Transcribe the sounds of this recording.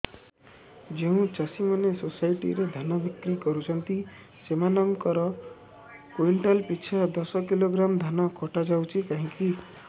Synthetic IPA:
d͡ʒeũt͡ʃasimanesosajʈḭɾed̪ʱanabikɾikɔɾut͡ʃʰɔnt̪i | semanɔŋkɔɾɔ | kuiɳʈalpit͡ʃʰad̪ɔsɔkiloɡɾamd̪ʱanɔkʰɔʈad͡ʒawt͡ʃʰikaɦĩki

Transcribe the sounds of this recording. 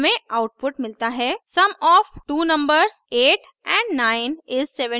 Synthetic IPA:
mẽaʊʈ̚pʊʈmɪlt̪aɦɛːsɐmɔːfʈuːnɐ̃mbəɾzeːʈ | ɛ̃ːɳɖnaːɪnɪzsɛʋə̃

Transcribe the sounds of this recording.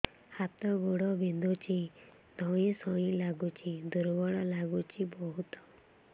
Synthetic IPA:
hat̪ɔɡoɽɔbʱind̪ʱut͡ʃi | d̪ʱɔj̃isɔ̃ĩlaɡut͡ʃid̪uɾbɔɭɔlaɡut͡ʃibɔɦut̪ɔ̥

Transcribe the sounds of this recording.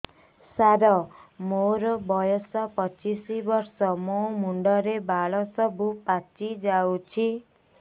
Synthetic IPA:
saɾɔmoɾɔbɔjɔsɔpɔt͡ʃisibɔɾsɔmomuɳɖɔɾebaɭɔsɔbupat͡ʃid͡ʒawt͡ʃʰi

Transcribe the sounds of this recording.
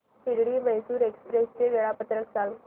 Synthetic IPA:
piɽɽiːməjsuːɾekspɾest͡ɕeʋeɭapət̪ɾəksal

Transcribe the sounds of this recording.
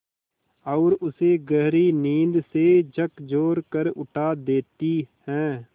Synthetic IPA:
ɔːɾʊseːɡəɦɾiːniːnd̪seːd͡ʒəkd͡ʒoːɾkəɾʊʈʰaːd̪eːt̪ihɛ̃ː

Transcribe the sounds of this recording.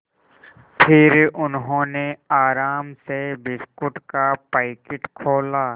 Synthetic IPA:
pʰɪɾʊnɦõːneaːɾaːmsebɪskʊʈkapaːɪkɪʈkʰoːlaː

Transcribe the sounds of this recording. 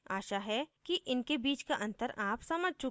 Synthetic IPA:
aːʃaɦɛkiʔɪnkebiːt͡ʃkaʔɐ̃nt̪əɾaːpsɐməd͡ʒʱt͡ʃʊ

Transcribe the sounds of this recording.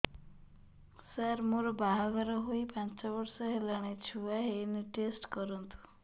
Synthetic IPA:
saɾmoɾɔbaɦaɡɔɾɔɦoipãnt͡ʃɔbɔɾsɔɦelaɽ̃et͡ʃʰuaɦeːniʈesʈkɔɾɔnt̪u̥

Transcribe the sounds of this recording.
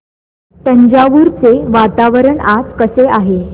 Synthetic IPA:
t̪əɲd͡ʑaʋuɾt͡seʋat̪aʋəɾəɳad͡zkəseaɦe

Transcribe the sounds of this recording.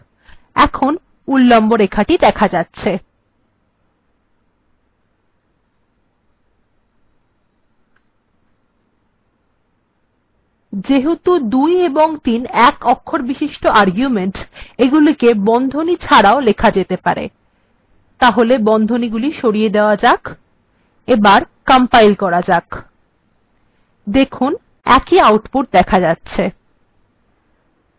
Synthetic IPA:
ɛkʰon | ulːɔmboɾekʰaʈid̪ɛkʰad͡ʑatːɕʰe | d͡ʑeɦut̪ud̪ujeboŋt̪inɛkɔkʰːoɾbiʃiʃʈoʔaɾɡjumeɳʈeɡulikebɔnd̪ʱonit͡ɕʰaɽaolekʰad͡ʑet̪epa̰ɾḛ | t̪aɦolebɔnd̪ʱoniɡuliʃoɽijed̪eoad͡ʑak | ebaɾkampajlkɔɾad͡ʑak | d̪ekʰun | ɛ̰kiawʈpuʈ̚d̪ɛkʰad͡ʑatːɕʰe

